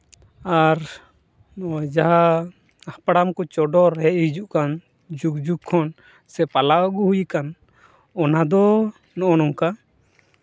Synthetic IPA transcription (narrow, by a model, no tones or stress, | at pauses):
aɾ | nɔd͡ʒaɦa | ahpaɽamkɔt͡ʃɔɖɔɾɛʔ̚hid͡ʒuʔkan | d͡ʒukd͡ʒukkʰːɔn | sɛpalaʔɔɡuhujkan | ɔnad̪ɔ | nɔʔɔnɔŋka